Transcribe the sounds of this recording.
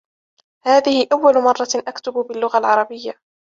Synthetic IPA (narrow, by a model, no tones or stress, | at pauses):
haːðɪhɪʔawːalʊmɑrˤːɑʔakt̪ʊbʊbɪlːʊɣalʕɑɾˤɑbɪjːa